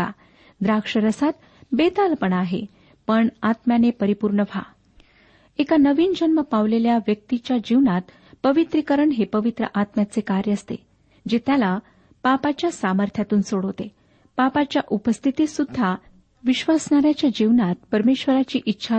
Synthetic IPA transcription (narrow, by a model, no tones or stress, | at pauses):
a̰ | d̪ɾakʂəɾəsat̪ | bet̪alpəɳaɦḛ | pəɳat̪mjanepəɾipuɾɳəʋʱa̰ | ekanəʋiːnd͡ʑənməpaʋleljaʋjək̚t̪it͡ɕjad͡ʑiʋnat̪ | pəʋit̪ɾikəɾəɳɦepəʋit̪ɾə̰ʔat̪mjat͡sekaɾjəəst̪ḛ | d͡ʑet̪jala | papat͡ɕjasaməɾt̪ʰjat̪uːnsoɽɦot̪e | papat͡ɕjaʔupəst̪ʰit̪isud̪ʱːa | ʋiɕʋasɳaɾjat͡ɕjad͡ʑiʋnat̪̚pəɾmeɕʋəɾat͡ɕiːʔitːɕʰa